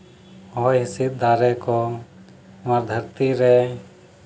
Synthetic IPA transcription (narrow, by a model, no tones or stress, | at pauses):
ɔjɦisit̪̚d̪aɾɛkɔ | maɾd̪ʱəɾt̪iɾɛ